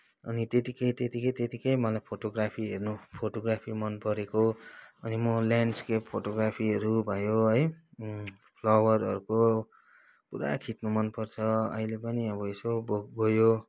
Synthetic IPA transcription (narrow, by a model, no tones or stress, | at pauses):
ʌnit̪et̪ikʌjt̪et̪ikʌjt̪et̪ikʌjmʌlajpʰoʈoɡrapʰiɦernupʰoʈoɡrapʰimʌnpʌɾekoʌnimʌljanɖskeppʰoʈoɡrapʰiɦʌɾubʱʌjoɦʌj | pʰlʌwʌrʌɾuko | puɾa̰kʰit̪numʌnpʌrt͡sʰʌʌ̰ilepʌniʌbʌesoboɡojo